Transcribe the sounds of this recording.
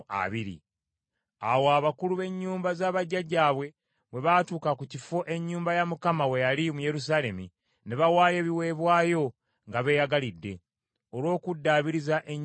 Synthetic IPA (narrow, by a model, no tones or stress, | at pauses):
a̰βiɾḭ | awoaβakuluβe̞ɲːuːmbazaːβaɟːaɟaːβwe̞ | βwe̞βatuːkakucifo̞ʔe̞ɲːuːmbajamukamawe̞jalimuje̞ɾus̬aːle̞mḭ | ne̞βawaːje̞βiwe̞ːβwaːjo̞ | ŋɡaβe̞ːjaɡalidːe̞ | olwo̞ːkudːaːβiɾizaʔe̞ɲː